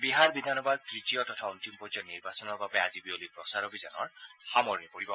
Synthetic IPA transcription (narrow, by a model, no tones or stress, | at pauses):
biɦaɹbidʱanɔbad̚tɹitijɔtɔtʰauntimpɔd͡ʒɔniɹbasɔnɔɹbapazibiolipɹɔsaɹɔbiza̰nɔ̰ɹxamɔɹnipoɹibɔ